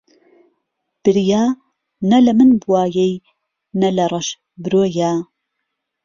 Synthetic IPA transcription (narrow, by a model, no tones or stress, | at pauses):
b̥ɨɾjaː | nɐlɐmɨnbuwaːjej | nɐlɐrˤɐʃ | bɨɾojaː